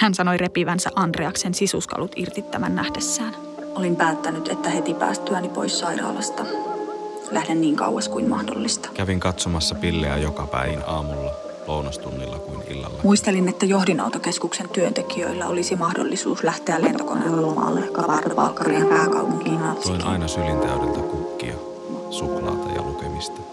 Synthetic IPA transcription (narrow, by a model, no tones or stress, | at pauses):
hænsɑnojrepiʋænsæʔɑnd̪reɑksensisuskɑ̰lut̪irt̪it̪ːæmænːæhdesːæːn | ʔolimpæːt̪ːænyt̪et̪ːæhet̪ipæ̰ːst̪yænipo̰issɑiɾɑ̰ːlɑst̪ɑ | læhdenniːŋkɑ̰uwɑskuinmɑ̰hdo̰lːist̪ɑ̥kæʋiŋkɑt̪somɑsːɑpilːeæ̰jokɑpæ̰iʋinɑːmulːɑ | loˑunɑst̪unːilːɑkuinḭlːɑ̰lːɑmuist̪elinet̪ːæjohdinɑ̰ut̪okeskuksent̪yønt̪ekiø̰ilːæolisimɑhdo̰lːisṵːslæht̪eællent̪oko̰nːḛllːomɑ̰ːlːekɑʋɑːrt̪ɑʋɑ̰lkɑriɑpæːŋkɑ̰upuŋkinoinʔɑinɑsylint̪æødelt̪ækukːḭɑ | suklɑ̰ːt̪ɑjɑ̰lukemist̪ɑ̥